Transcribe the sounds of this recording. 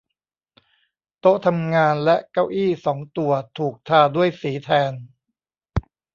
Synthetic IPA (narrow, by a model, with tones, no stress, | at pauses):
t̪o˦˥t̪ʰa˧mŋaː˧nlɛ˦˥ʔka˥˩wʔiː˥˩sɔː˩˦ŋt̪u˨˩ɐət̪ʰuː˨˩k̚t̪ʰaː˧du˥˩əjsiː˩˦t̪ʰɛː˧n